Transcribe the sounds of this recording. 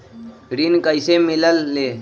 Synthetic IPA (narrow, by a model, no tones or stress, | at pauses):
ɡɾiːnkəɪsemɪləlːeː